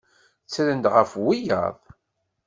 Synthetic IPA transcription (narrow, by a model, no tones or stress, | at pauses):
t͡sːælənd̪ʁəfwijə̰ðˤ